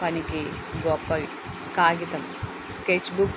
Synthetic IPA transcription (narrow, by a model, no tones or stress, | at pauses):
ɐniki | ɡɔpːɐʋ | kaːɡit̪ɐm | skeːt͡ʃːbuk